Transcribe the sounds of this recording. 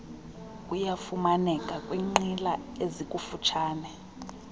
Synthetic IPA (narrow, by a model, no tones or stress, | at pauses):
kʼujafumanɛkʼakʼwiŋ͡ǃilaezikʼufut͡ʃʰaːnɛ